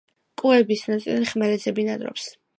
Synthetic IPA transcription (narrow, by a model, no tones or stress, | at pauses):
kʼuɛbisnɔt̪sʼḭliχmɛɾɛzɛbinad̪ɾɔ̰ps